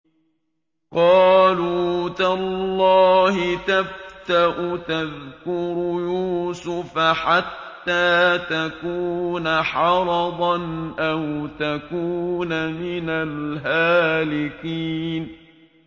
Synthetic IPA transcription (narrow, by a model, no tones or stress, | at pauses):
qɑːluːt̪allˤːɑːhɪt̪aft̪aʔʊt̪aðkʊɾʊjuːsʊfaħat̪ːaːt̪akuːnaħɑɾˤɑd̪ˤɑnʔawt̪akuːnamɪnalɦaːlɪkiːn